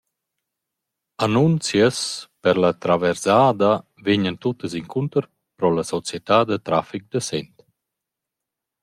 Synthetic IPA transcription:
anunt͡sjəspəɾlat̪ɾavɛɾzaːd̪a | veɲənt̪ut̪əsiŋkʰunt̪əɾ | pɾɔlasɔt͡sjɛt̪ad̪ət̪ɾafik̚d̪əsɛnt̪

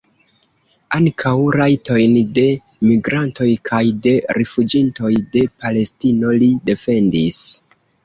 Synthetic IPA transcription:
aŋkʰawɾajtʰo̞jnde̞ | miɡɾanto̞jkʰajde̞ɾifud͡ʒinto̞jde̞pale̞stino̞lide̞fe̞ndis

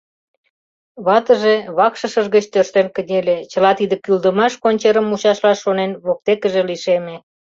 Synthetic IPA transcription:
βɑt̪əʒeβɑkʃə̆ʃəʒɣət͡ɕt̪ørʃt̪enkə̆nʲelʲet͡ɕə̆lɑt̪id̪ə̆kyld̪əmɑʃkonʲt͡ɕeɾəmuɕɑʃlɑʃːonenβok̚t̪ekəʒeliʃeme

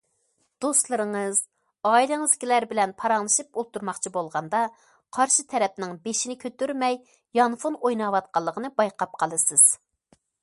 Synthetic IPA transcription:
d̪̥ost̪lˠɨɾɨŋɨz̥ | ɑːilˠɨŋɨzɡʲilæɾbɪlɛnpʰɑɾɑŋlˠɨʃɨpolˠt̪ːuɾmɑχt͡ʃʰibolˠʁɑnd̪ɑ | qʰɑɾʃɨt̪ʰɛɾɛp̚nɪŋbeʃinɪkʲʰøt̪yɾmɛj | jɑnfunojnɑwɑt̪̚qʰɑlˠːəqʰənɨbɑjqɑp̚qʰɑlˠɨsɨz̥

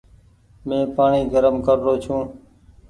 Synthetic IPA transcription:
mẽːpaːɳiːɡəɾəmkəɾːoːt͡ʃʰũː

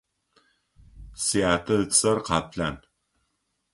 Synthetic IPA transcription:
siaːtʰɐɨt͡sʼɐrqɑːpɬaːn

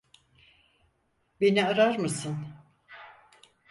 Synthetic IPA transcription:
beniaɾaɾmɯsɯn

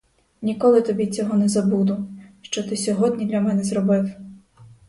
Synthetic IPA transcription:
nʲikɔlˠɪt̪ɔbʲit͡sʲɔɦɔnɛzɐbud̪ʊʃt͡ʃɔt̪ɪsʲɔɦɔd̪ʲnʲid̪lʲɐmɛnɛzɾɔbɪw

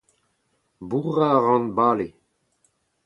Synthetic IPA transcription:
buʁaʁɑ̃nbaːle

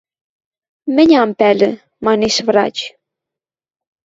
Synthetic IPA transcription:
mɘ̆nʲɑmpælɘ̆ | mɑneʃvrɑ̰t͡ɕ

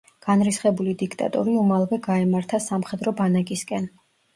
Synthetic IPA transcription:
ɡ̥anɾisχɛbulid̪ikʰt̪ʼa̰t̪ʼṵɾiumalˠvɛɡaɛmaɾt̪ʰasamχɛd̪ɾɔbanakʼiskʼɛn

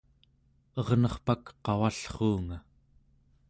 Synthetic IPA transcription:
ʌʁnʌχpakqɑwaɬχuːŋa

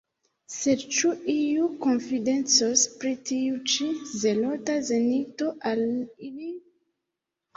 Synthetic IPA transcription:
se̞dt͡ʃuiuko̞nfide̞nt͡sospɾitiut͡ʃize̞lo̞tazenito̞ʔalili

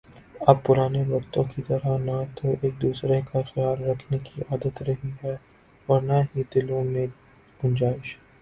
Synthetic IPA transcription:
ɐb̚pʊɾaːneʋɐkt̪õkit̪ɐɾəɦnat̪oʔeːk̚d̪uːsɾekaxijaːlɾɐkʰnekiʔaːd̪ət̪ɾɐɦiɦɛ | ɔːɾnaɦid̪ɪlõmẽ | ɡ̥ʊ̃nd͡ʒaːɪʃɦɛː

